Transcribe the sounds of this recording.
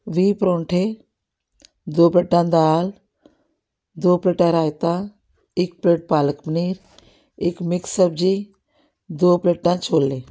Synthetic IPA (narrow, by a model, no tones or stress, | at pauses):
ʋiːpɾõːɳʈʰe | d̪oːpeːʈːãːd̪aːl | d̪oːpɾeːʈãːɾaːjt̪ãː | ɪk̚peːʈ̚paːləkmniːɾ | ɪkmɪksəb̚d͡ʒiː | d̪oːpeːʈːãːt͡ʃʰoːlːeː